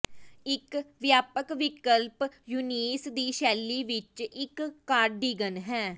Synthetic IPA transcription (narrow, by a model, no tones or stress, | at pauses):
ɪkʋjaːpəkʋɪkəlpjuniːsd̪iːʃɛːlːiːʋɪt͡ʃɪkːaːɾɖiːɡənɦɛː